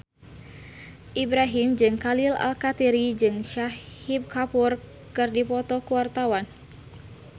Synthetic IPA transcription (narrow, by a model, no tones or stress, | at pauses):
ʔibɾaɦimd͡ʒɨŋkalila̰lkat̪iɾid͡ʒɨŋʃahib̚kapur | kɨrdipɔt̪ɔkuwart̪awan